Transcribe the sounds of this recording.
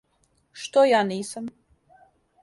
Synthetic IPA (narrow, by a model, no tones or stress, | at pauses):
ʃt̪ojaːniːsam